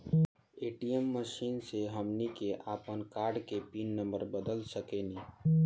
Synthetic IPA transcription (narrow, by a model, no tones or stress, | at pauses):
eːʈijəmːəʃiːnseɦəmnikeʔaːpənkaːɾɖkepiːnːə̃mbəɾbəd̪əlsəkeniː